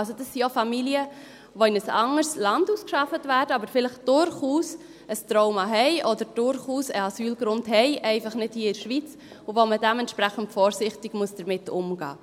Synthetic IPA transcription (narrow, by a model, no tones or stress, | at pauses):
lsod̥ɑsːiofɑmiliə | ʋoɪnəsɑŋəɾslɑnduːskʃɑfətvæːɾdəɑbəɾfɪləχd̥ʊɾχuːs | əstɾɔʊmɑɦɛɪʔɔdəɾd̥ʊɾχuːsəɑsyːlɡɾʊndɦɛɪʔɛɪfɑχnɪd̥hiːəɪɾʃʋit͡s | ʊʋomədɛmɛnt̪ʃpɾæχən̩tfɔːɾsɪχtɪɡ̥muəsd̥əɾmɪtʊmɡ̥ɑ̰ː